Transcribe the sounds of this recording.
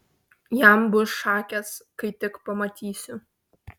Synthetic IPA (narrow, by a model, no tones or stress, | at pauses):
jæmbʊsʃɑːkʲɛskɐɪt̪ʲɪkpɐmɐt̪ʲiːsʲʊ